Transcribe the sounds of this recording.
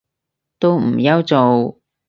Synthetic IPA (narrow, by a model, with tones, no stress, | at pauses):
t̪o˥wm̩˨˩jɐ˥wt͡so˨w